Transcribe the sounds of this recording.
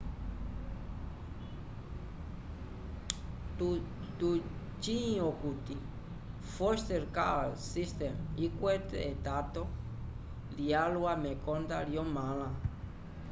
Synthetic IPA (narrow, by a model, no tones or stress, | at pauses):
tu | t̪u | t͡ʃĩokut̪i | fɔst̪eɾkalsist̪emikwet̪et̪at̪o | lialuamekɔnd̪aljɔmalã